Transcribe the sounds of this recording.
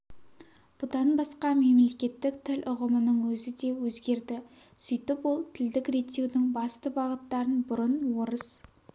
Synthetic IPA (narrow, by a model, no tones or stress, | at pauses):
b̥ʊd̪ɑnbɑsqɑme̞mle̞kʲe̞t̪ːɪkt̪ʰɪlʔʊʁəmənəɴwɵzɪd̪e̞wɵzɡʲe̞ɾd̪ɪ | sʏjt̪əpwo̞lˠt̪ʰɪld̪ɪkret̪ʲːe̞wd̪ɪŋbɑst̪əbɑʁət̪ːɑɾənbʊɾənwo̞ɾəz